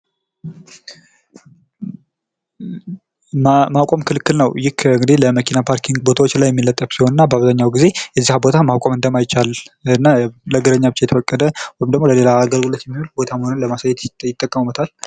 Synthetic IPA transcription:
mawkʼomkʰɨlɨkːɨlnəwjɪkɨŋɡɨd̪iləməkʰinapʰaɾkʰiŋɡbo̞t̪ʰawo̞t͡ʃːlajːɛmːilːət̪ʼːəfsiho̞nɨnːabəaβzaɲːawɡize̞jɛzːihbo̞t̪ʰamakʷʼamɨnd̪əmajɪt͡ʃːalɨnːaləɡɨɾəɲːabɨt͡ʃːajɛt̪ʰəfəkʼːəd̪əwɔjimd̪əɡmo̞ləle̞laːɡəlɡulət̪jɛmːihulbo̞t̪ʰaməhonɨnləmasajːɛt̪jɪt̪ʼːəkʼːəmumət̪ʰal

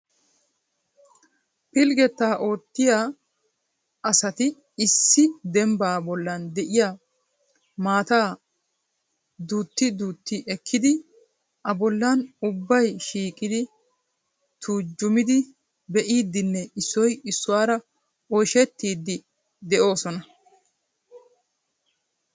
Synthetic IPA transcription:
pɪlɡɛt̪ːaːʔo̞ːt̪ːɪjaː | ɐsɐt̪ɪ | ɪsːɪd̪ɛmbaːbɔlːɐnd̪ɛʔɪjaː | maːt̪aː | d̪uːt̪ːɪd̪uːt̪ːɪʔɛkːɪd̪ɪ | ʔɐbɔlːanʊbːɐjʃiːkʼɪd̪ɪ | t̪ʰuːd͡ʒːʊmɪd̪ɪ | bɛʔiːd̪ːɪnːɛɪsːɔjɪsːʊwaːɾɐ | ɔjʃɛt̪ːiːd̪ːɪ | d̪ɛʔo̞ːsɔnɐ

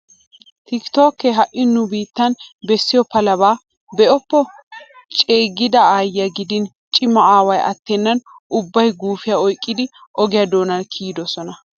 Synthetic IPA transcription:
t̪ɪkt̪oːkːɛɦɐʔːɪnːʊbiːt̪ːɐnbɛsːɪjɔpɐlɐbaː | bɛʔɔpːɔ | t͡ʃʼeːɡɪd̪ɐaːjɐɡɪd̪ɪn | t͡ʃʼɪmːɐaːwɐjʔɐ̰t̪ːɛnːɐnʊbːɐjɡuːfɪjɐɔjkʼːɪd̪ɪʔɔɡɪjɐd̪o̞ːnɐnkʰiːd̪ɔsɔnɐ

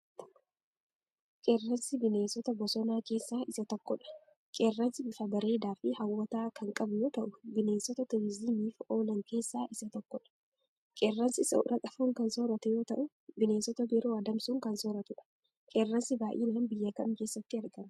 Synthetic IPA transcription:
kʼerːɐnsɪbɪneːsɔt̪ɐbɔsɔnaːke̞ːsːaːʔɪsɐt̪ɔkːɔᶑɐ̥ | kʼeːrːɐnsɪbɪfɐbɐɾe̞ːd̪aːfɪhɐwːɐt̪aːkɐŋkʼɐbʊjo̞ːt̪ɐʔʊbɪne̞ːnsɔt̪ɐt̪ɛwɪziːmiːfo̞ːlɐŋke̞ːsːaːʔɪsɐt̪ɔkːɔᶑɐ̥ | kʼerːɐnsɪsɐʊ̰ɾɐkʼɐfuːŋkɐnsoːɾɐt̪ɛjo̞ːt̪ɐʔʊ | bɪne̞ːsɔt̪ɐbɛɾoːɐd̪ɐmsuːŋkɐnsoːɾɐt̪ʊᶑɐ̥ | kʼeːrːɐnsɪbaːʔḭːnɐɐnbɪjːɐkɐmke̞ːsːɐt̪ːɪɐɾɡɐmɐ

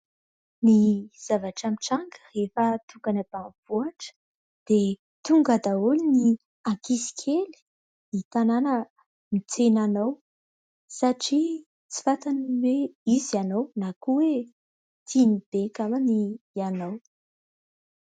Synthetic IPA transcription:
niz̥avaʈ͡ʂamiʈ͡ʂaŋɡə̥refət̪uɡanab̥anv̥uaʈ͡ʂə̥ | d̪̥e | t̪uŋɡad̪aulini | akisi̥kʰeli̥ | nit̪ananə | mit͡senanow | saʈ͡ʂi | t͡si̥fat̪aniweizanownakuwe | t̪ʰinib̥ekamanianow

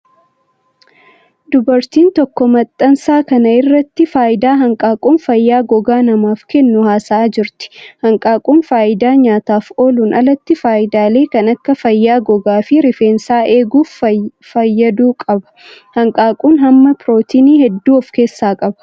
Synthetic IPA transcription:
d̪ʊbɐɾt̪iːnt̪ɔkːɔmɐt̪ʼːɐnsaːkɐnɐɪrːɐt̪ːɪfaːʔɪd̪aːɦɐŋkʼaːkʼuːnfɐjːaːɡɔɡaːnɐmaːfkɛnːʊhaːsaːd͡ʒɪɾt̪ɪ̥hɐŋkʼaːkʼuːnfaːʔɪd̪aːɲaːt̪aːfo̞ːluːnʔɐlɐt̪ːɪfaːʔɪd̪aːle̞ːkɐnɐkːɐfɐjːaːɡɔɡaːfɪɾɪfe̞ːnsaːe̞ːɡuːf | fɐjːɐd̪uːkʼɐbɐ̥hɐŋkʼaːkʼuːnɦɐmːɐpɪɾo̞ːt̪ʰiːniːhɛd̪ːuːɔfke̞ːsːaːkʼɐbɐ̥

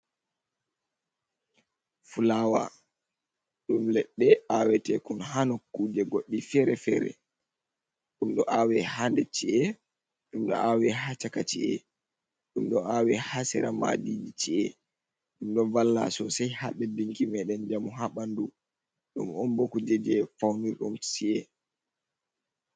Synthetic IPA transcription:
fulawa̰ | ɗumlɛɗːɛawɛtɛkunɦanokːuːd͡ʒɛɡoɗːifɛɾɛfɛːɾɛ̰ | ɗumɗɔʔawɛhandɛt͡ʃiɛ | ɗumɗɔ̰ʔawɛɦat͡ʃakat͡ʃḭɛ̰ | ɗumɗɔawɛhasɛ̰ɾama̰did͡ʒit͡ʃiɛ | ɗumɗɔvalːa̰sɔsajhaɗɛdiŋkimɛɗɛnd͡ʒamuɦaɓandu | ɗɔ̰mɔnbokud͡ʒɛd͡ʒɛfawniɾɗumsiɛ

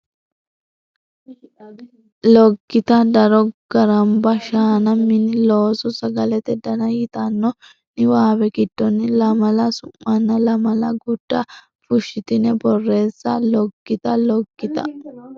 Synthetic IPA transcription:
lɔɡːɪt̪ɐd̪ɐɾɔɡ̥ɐɾɐmbɐʃaːnɐmːɪnːɪloːsɔsɐɡɐlɛt̪ɛd̪ɐnɐjɪt̪ɐnːɔ | nɪwaːbɛɡɪd̪̥ːɔnːɪlɐmɐlɐsʊmːɐnːɐlɐmɐlɐɡʊd̪̥ːɐ | fʊʃːɪt̪ɪnɛbɔrːe̞ːsːɐlɔɡːɪt̪ɐlɔɡːɪt̪ɐ̰

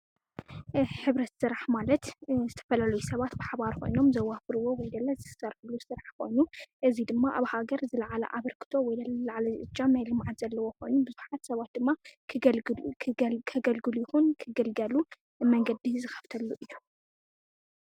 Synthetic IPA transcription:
ħɨβɾɐt̪sɨɾaħmalɐt̪zɨt̪ʰɐ̥fɐlalɐjusɐβat̪bɨħaβaɾkʰo̞̰jno̞mzɐwːafɨɾɨwowɔjd̪ɐlːɐzɨsɐɾħɨlːusɨɾaħkʰo̞̰jnuʔɨzid̪ɨmːaʔaβhaɡɐɾzɨlɐʕalɐ̰ʔaβɐɾkʰɨ̥t̪ʰo̞wɔjd̪ɐllɐʕalɐzɨʔɨt͡ʃːanajlɨmʕat̪z̥ɐlːɐwo̞kʰo̞jnubɨzuħat̪sɐβat̪̚d̪ɨmːa | kʰɐɡɐlɡɨlujɪxunkʰɨɡɐlɡɐlu | mɐŋɡɐd̪izɨxɐ̥ft̪ʰɐlːuʔɨjːu

